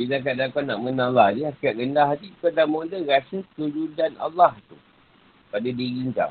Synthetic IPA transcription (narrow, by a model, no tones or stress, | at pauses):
bidak̬aʔdakanaʔmənalahdiakiaʔɡəndaɦad̪ikədamodəɣasək̪əɾudana̰lːaht̪u | padadiɣiŋk̪a̰